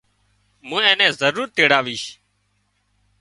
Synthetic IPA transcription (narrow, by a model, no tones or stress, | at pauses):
mũːɛ̃ːnɛ̃ːzəɾuːɾt̪eːɽaːʋiːʃ